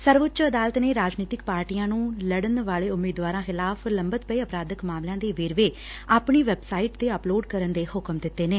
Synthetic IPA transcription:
səɾʋʊtt͡ʃəd̪aːlət̪neːɾaːd͡ʒniːt̪ɪk̚paːɾʈiːjãːnũːləɽənʋaːleːʊmːiːd̪ʋaːɾãːxɪlaːpʰləmbət̪pəiːəpɾaːd̪əkmaːmlãːd̪eːʋeːɾʋeː | aːpɳiːʋɛːbsaːiːʈt̪eːəploːɖkəɾənd̪eːhʊkəmd̪ɪt̪ːeːneː

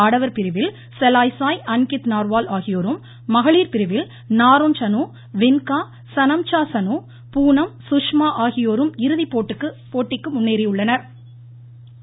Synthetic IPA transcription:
aːɽɐʋɐɾpɪɾɯʋɪl | sɛlaːjsaːjɐnkɪt̪naːɾʋaːlaːɣɪjoːɾɯmː | ɐɣɐɭiːɾpɪɾɯʋɪl | naːɾont͡ʃɐnuː | ʋɪnkaː | sɐnɐmt͡ʃaːsɐnuː | puːnɐmsʊʂmaːʔaːɣɪjoːɾɯmɪɾɯðipːoːʈːɯkːɯpoːʈːɪkːɯmʊnːeːɾɪjɯɭːɐnɐɾ

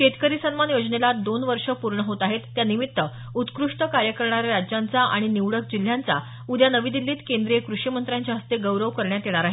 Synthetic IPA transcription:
t͡ɕet̪kəɾisənmanjod͡zɳelad̪onʋəɾʂəpuɾɳəɦot̪aɦet̪ːjanimit̪ːə | ut̪kɾuʂʈəkaɾjəkəɾɳaɾjaɾad͡ʑjant͡saʔa̰ɽ̃iniʋɽəkd͡ʑil̤jant͡sa̰ | ud̪ʱjanəʋid̪ilːiːt̪kend̪ɾijekɾuʂimənt̪ɾjaɲt͡ɕaɦəst̪eɡəwɾəʋkəɾɳjat̪eɽ̃aɾaɦe

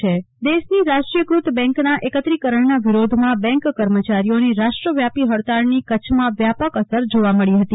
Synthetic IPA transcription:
e | d̪eʃniɾaʃʈɾijəɡɾut̪bɛ̃ŋknaʔekət̪ɾikəɾəɳnaʋiɾod̪ʱmãbɛ̃ŋkːəɾmət͡ʃaɾijoniɾaʃʈɾəʋjapiɦəɭt̪aɾnikət͡ʃʰmãʋjapəkəsəɾd͡ʒoʋaməɭiɦət̪i

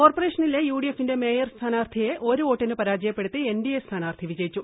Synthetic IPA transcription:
ko̞ːrpore̞ːʂɐnilejuːɽijefːinde̞me̞ːjɐrst̪ʰaːnaːrt̪ʰijeʔo̞ɾuo̞ːʈːɐnɨpɐɾaːd͡ʑɐjɐpːe̞ɽut̪ːɨenɖijest̪ʰaːnaːrt̪ʰiʋid͡ʑɐjit͡ɕːu

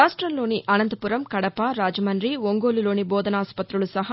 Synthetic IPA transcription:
aːʂʈɾɐmlo̞ːniʔɐnɐnd̪ɐpuɾɐmkɐɽɐpaɾaːd͡ʒɐmɐnɾiʋoŋɡoːlulo̞ːnibɔːd̪ɐnaːspɐt̪ɾulusɐɦɐ

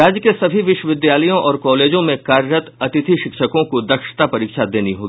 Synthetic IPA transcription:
ɾaːd͡ʒjəkesɐbʱiʋɪʃwəʋɪd̪jaːləjõʔɔːɾkɔːleːd͡ʒõmẽkaːɾɾət̪ɐt̪ɪt̪ʰiʃɪkʃəkõkod̪ɐkʃə̥t̪apɐɾiːkʃad̪eːniɦoːɡii

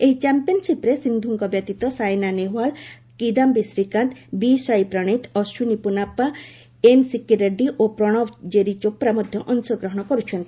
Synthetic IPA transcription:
eɦit͡ʃampiɔnsipɾesind̪ʱuŋkɔbjɔt̪it̪ɔsajnaneɦual | kid̪ambisɾikant̪bisajpɾɔɽ̃it̪ɔsunipunapːa | ensikiɾaɖiʔopɾɔɽ̃ɔbd͡ʒeɾit͡ʃopɾamɔd̪ʱjɔʔɔnsɔɡɾɔɦɔɽ̃ɔkɔɾut͡ʃʰɔnt̪i̥

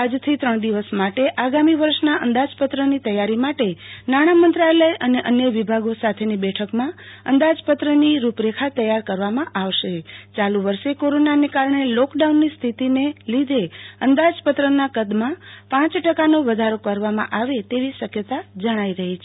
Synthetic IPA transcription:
ad͡ʒt̪ʰit̪ɾəɳ̃d̪iʋəsmaʈeʔaɡamiʋəɾʃnaʔənd̪ad͡ʒpət̪ɾənit̪əjaɾimaʈenaɽ̃amənt̪ɾaeləjʔəneʔənjəʋibʱaɡosat̪ʰenibɛʈʰəkmãənd̪ad͡ʒpət̪ɾəniɾupɾekʰat̪əjaɾkəɾʋamãʔaʋʃet͡ʃaluʋəɾʃekoɾonanekaɾɳelɔkɖaunːist̪ʰit̪inelid̪ʱeənd̪ad͡ʒpət̪ɾənakəd̪mãpãt͡ʃʈəkanoʋəd̪ʱaɾokəɾʋamã̰ʔaʋet̪eʋiʃəkjət̪ad͡ʒəɽ̃aiɾəɦit͡ʃʰe

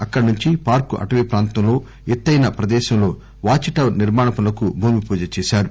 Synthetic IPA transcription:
ɐkːɐɽnuɲt͡ʃipaːɾkuʔɐ̰ʈɐʋiːpɾaːnt̪ɐmlo̞ː | ɛt̪ːɐjnɐpɾɐd̪ɛːʃɐmlo̞ː | ʋaːt͡ʃiʈɐʋniɾmaːɳɐpɐlɐkubʱuːmipuːd͡ʒɐt͡ʃɛːʃaːɾu

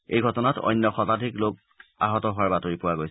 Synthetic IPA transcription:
ejɡʱɔtɔnatɔ̰jnːɔxɔtadʱiklok̚ | a̰ɦɔtɔɦʊwaɹbatoɹipʊwaɡojs

